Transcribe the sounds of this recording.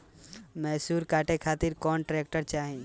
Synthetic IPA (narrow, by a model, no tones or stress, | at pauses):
mɛːsuːɾkaːʈekʰaːt̪ɪɾkɔːnʈɾeːk̚ʈəɾt͡ʃaːɦẽ